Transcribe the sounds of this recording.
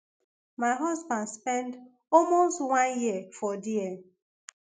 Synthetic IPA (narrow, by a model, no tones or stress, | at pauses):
maɪɦɔzbãndspɛ̃nd | ɔlmostwãnjiəfɔdie